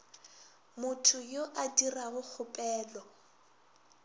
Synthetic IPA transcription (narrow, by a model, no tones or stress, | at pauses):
mʊtʰʊjoʔadiraɣʊk͡xʰʊpʼɛːlɔ